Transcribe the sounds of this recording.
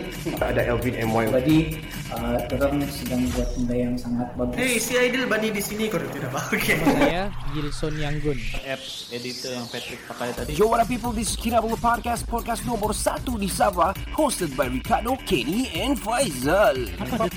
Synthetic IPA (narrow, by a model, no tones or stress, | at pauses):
aa̰daʔɛlvidɛmwajd͡ʒadi | ət̪əɾənsədaŋiat̪undajaŋsaŋat̪̚baɡʊesiajdilbanidisinikɔɾət̪idabaokʰe | ɡilsɔnjaŋɡʊnʔɛp̚s | edit̪ɔjaŋpɛt̪ɾɪk̚pakajat̪adid͡ʒowaɾap̬ip̬əldiskʰiɾabəlpɔd̚kaspɔd̚kastnɔ̃mərsat̪udisavahostəd̚bajɹikadokʰediɛ̃nfajzəl